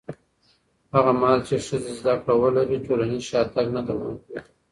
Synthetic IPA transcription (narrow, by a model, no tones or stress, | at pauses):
haɣamlt͡ʃeʂəzezd̪akɽawəlaɾiʈolanizʃɑt̪aɡnad̪awa̰nkwi